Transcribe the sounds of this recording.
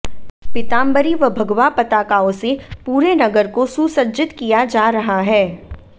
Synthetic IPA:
pɪt̪ãːmbəɾiʋɐbʱɐɡʋapɐt̪aːkaːõsepuːɾenɐɡəɾkosuːsəɾd͡ʒɪt̪kijad͡ʒaːɾɐɦaɦɛː

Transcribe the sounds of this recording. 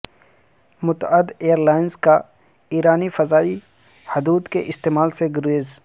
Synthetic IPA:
mʊt̪əd̪eːəɾlaːɪnska | iːɾaːnifɐzaːi | hʊd̪uːd̪keʔɪst̪eːmaːlseɡʊɾeːz

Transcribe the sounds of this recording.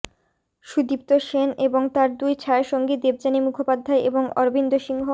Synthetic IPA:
ʃud̪ip̚t̪oʃeneboŋt̪aɾd̪ujt͡ɕʰaeʃoŋɡid̪eb̚d͡ʑanimukʰopad̪ʱːaeʔeboŋɔ̰ɾbind̪oʃiŋɦo

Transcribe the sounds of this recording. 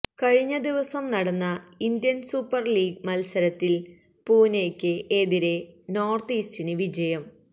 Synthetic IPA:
kɐɻiɲːɐd̪iʋɐsɐmnɐɽɐnːɐind̪jɐnsupːɐrliːɡ̚mɐlsɐɾɐt̪ːil | puːneːkʲːɨʔeːðiɾe̞no̞ːrt̪iːstinɨʋid͡ʑɐjɐm

